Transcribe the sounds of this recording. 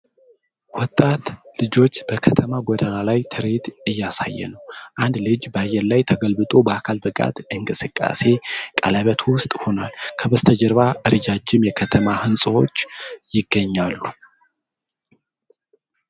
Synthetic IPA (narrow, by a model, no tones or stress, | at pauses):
wɔt̪ʼat̪lɨd͡ʒo̞t͡ʃːb̥əkʰət̪ʰəmaɡɔd̪analajt̪ʰɨɾet̪ɨjːasa̰jːɛ̰nəwʔand̪lɨd͡ʒbəajːɛɾlajt̪ʰəɡəlbɨt̪ʼobəakʰalbɨkʼa̰t̪ɨŋkʼɨsɨkʼːa̰se̞kʼələβət̪ʰwʊst̪ʼho̞nalkʰəbəst̪ʰəd͡ʒəɾβaʔɨɾɨd͡ʒad͡ʒːɪmjɛkʰət̪ʰəmahɨnsʼwo̞t͡ʃːjɪɡːəɲːalːu